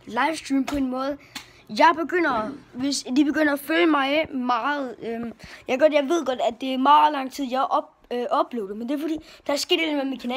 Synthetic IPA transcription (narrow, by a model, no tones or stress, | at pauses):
lɑ̈ɪʋsd̥ʁiːmpʰɒ̽e̝nmɔ̽ːð̞ˠ | jɑ̈ɪb̥e̝ɡ̥øn̰ɐʋe̝sd̥ib̥e̝ɡ̥øn̰ɐæføljəmɑ̈ɪmɑ̈ːð̞̩ˠøjɑɪɡ̥ɒ̽d̥jɑ̈ɪʋe̝ð̞̰ˠɡ̥ɒ̽d̥æd̥e̝æmɑ̈ːð̩ˠlɑ̈ŋ̰t͡sʰið̞̰ˠjɑ̈ɪʔɒb | ʔɒ̽b̥le̝̰ːʊd̥e̝mend̥eɐfɒd̥ḭːd̥ɑsɡ̥e̝ɐd̥elmemikʰænɛ